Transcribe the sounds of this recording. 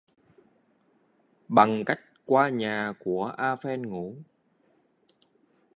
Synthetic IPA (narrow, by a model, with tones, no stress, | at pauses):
ɓa˨˩ŋka˦˥jk̟̚kwaː˧ɲaː˨˩ku˧˩əʔaː˧fɛ˧nŋu˧˥